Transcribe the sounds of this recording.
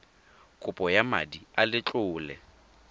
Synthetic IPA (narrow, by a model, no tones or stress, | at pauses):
kʼʊpʼɔjama̰dialɪt͡ɬʼʊːlɛ̰